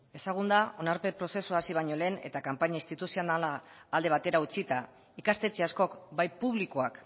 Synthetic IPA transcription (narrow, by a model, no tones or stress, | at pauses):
e̞saɣ̞und̪ao̞naɾpe̞pɾo̞se̞suasiβ̞aɲo̞le̞ːne̞̰t̪akampaɲaist̪it̪usionalaːld̪e̞β̞at̪e̞ɾaut͡sit̪a | ikast̪e̞t͡seasko̞kbajpuβlikoak